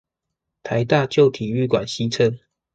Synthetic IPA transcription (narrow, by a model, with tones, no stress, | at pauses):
t̪ʰa˨˦ɪt̪a˥˨t͡ɕjo˥˨ʊt̪ʰi˨˩y˥˨kwa˨˩nɕi˦t͡sʰə˦˥n